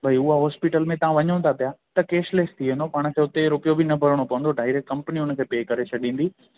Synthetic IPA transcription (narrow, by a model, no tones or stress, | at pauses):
bʱaiʊɦaɦɔːspɪʈəlmẽt̪ɐʋ̤ãʋɐɲə̃ʊ̃nt̪ʰapijat̪ɐkeːʃleːst̪ʰiʋẽːnd̪opaːɽ̃əkʰeʊt̪eɾʊpijobʱɪnɐbʱɐɾəɽ̃opɐʋə̃nd̪oɖaːɪɾek̚ʈkɐ̃mpəniʊnə̆kʰeːpeːkɐɾet͡ɕʰɐɗĩːn̆d̪iː